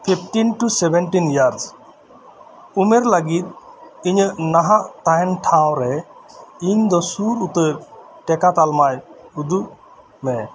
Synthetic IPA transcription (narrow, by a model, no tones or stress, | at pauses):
pʰipʰʈinʈusɛbɛnʈinjaɾs | umɛɾləɡit̪̚iɲəʔnaɦaʔt̪aɛnʈʰaw̃ɾɛ | iɲd̪ɔsuɾut̪əɾ | ʈɛkat̪almajud̪uʔ | mɛ